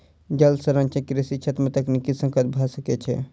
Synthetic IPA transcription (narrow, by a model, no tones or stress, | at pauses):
d͡ʒəlsəɾənt͡ʃə̃kɾisit͡ʃʰet̪ɾmet̪əknikisə̃ŋkət̪̚bʱasəkɛt͡ʃʰɛ̰